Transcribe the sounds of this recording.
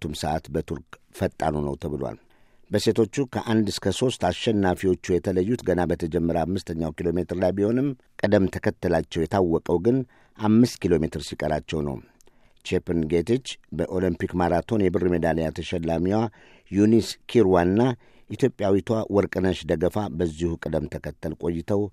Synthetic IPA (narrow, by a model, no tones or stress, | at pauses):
t̪ːumsəʔat̪bət̪ʰuɾk | fət̪ʼːa̰nunə̰wt̪ʰəβɨloa̰l | bəse̞t̪ʰo̞t͡ʃːukʰəʔand̪ɨskʰəso̞st̪aʃɛnːafiwo̞t͡ʃːujɛt̪ʰələjːut̪ɡənabət̪ʰəd͡ʒɛmːəɾəamːɨst̪ʰəɲːawkilo̞me̞t̪ɨɾlajbiho̞nɨm | kʼəd̪əmt̪ʰəkʰət̪ːəlat͡ʃːɛwjɛt̪ʰawːɔkʼəwɡɨn | ʔamːɨst̪kilo̞me̞t̪ʰɨɾsikʼəɾat͡ʃːɛwnə̰w | t͡ʃepɨnɡet̪it͡ʃːbəʔo̞limpikmaɾat̪ʰo̞njɛbɨrɨmed̪aljat̪ʰəʃɛlːamiwa | juniskʰiɾwanɨnːa | ʔit̪ʰjo̞pʼjawit̪ʰwawɔɾkʼɨnəʃd̪əɡəfabəzːihukʼɨd̪əmt̪ʰəkət̪ːəlkʼo̞jːɪt̪ʰəw